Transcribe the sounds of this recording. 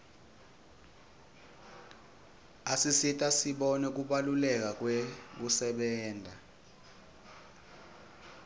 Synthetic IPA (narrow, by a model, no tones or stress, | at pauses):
asisitʼasiɓɔnɛk̬uɓalulɛk̬ak̬wekusɛɓɛːndʱa